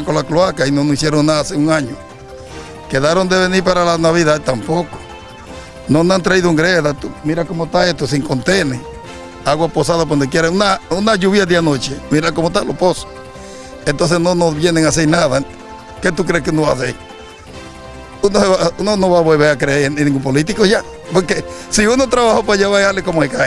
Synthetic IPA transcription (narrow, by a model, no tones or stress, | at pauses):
ŋkonlakloakainonoisjeɾonaðaaseuŋaɲo | keðaɾond̪eβeniɾpaɾalanaβiðaðt̪ampoko̥ | nonant̪ɾaiðoeŋɡɾeðat̪umiɾakomot̪aest̪os̬iŋkont̪ene | aɣwaposaðapwand̪ok̬jeɾaunaunaʝuβjad̪ianot͡ʃemiɾakomot̪aloposo̥ | ent̪ons̬esnonoβjeneŋas̬eɾnaða | ket̪ukɾeskeunoβaseɾ | unoβaunonoβaβwelβeakɾeeɾniŋɡumpolit̪̬ikoʝa | poɾkesiunot̪ɾaβahopaʝeβaalekomoeka